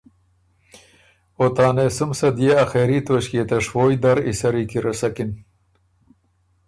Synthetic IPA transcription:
ot̪ɑːnesʊmsɐd̪ijeɐxeɾit̪oɕket̪ɐʂwoːjd̪ɐɾḭsɐɾikiɾɐsɐkin

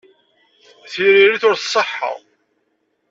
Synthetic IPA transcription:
θiɾiɾiθʊɾθsˤːəħːə̰ʁ

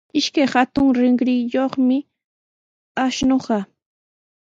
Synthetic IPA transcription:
ɪʃkajhat̪ʊŋɾɪŋɢɾɪjoχmɪ | aʃnoɢɑ

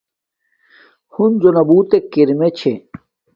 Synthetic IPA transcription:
hunzonɐbuːt̪ekiɾmet͡ɕʰe

